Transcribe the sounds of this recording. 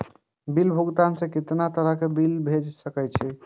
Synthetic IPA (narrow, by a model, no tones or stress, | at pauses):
bilbʱuɡt̪ansẽkit̪nat̪əɾəkebilbʱed͡ʒsəkɛt͡ʃʰi